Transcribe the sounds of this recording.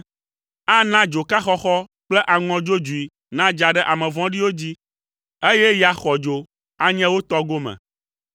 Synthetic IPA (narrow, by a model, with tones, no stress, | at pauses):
a˦nã˦d͡ʒo˨ka˦xɔ˦xɔ˦ | k͡plɛ˦ʔa˨ŋɔ̃˨d͡ʒo˦d͡ʒu˨i˨ | nã˦d͡ʒa˨ɖɛ˦ʔa˨mɛ̃˨vɔ̃˦ɖi˦wo˦d͡ʑi˦ | e˦jɛ˦ja˨xɔ˨d͡ʒo˨ | a˦ɲɛ̃˦wo˦t̪ɔ˦ɡo˦mɛ̰̃˨